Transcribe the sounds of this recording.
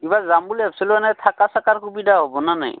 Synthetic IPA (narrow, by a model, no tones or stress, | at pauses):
ibazambuliapʰsiluanajtʰakasakaɹkubidaɦobɔnana̰j